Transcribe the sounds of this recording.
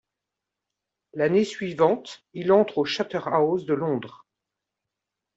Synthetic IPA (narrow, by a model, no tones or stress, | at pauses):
lanesɥivɑ̃t̪ilɑ̃t̪χoʃat̪œʁaozd̪əlɔ̃d̪ʁ